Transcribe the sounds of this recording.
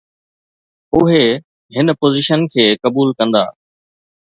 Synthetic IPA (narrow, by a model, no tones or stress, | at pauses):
ʊɦe | ɦɪnpoːzɪʃənkʰeːkɐbuːlkɐ̃nd̪a̰ː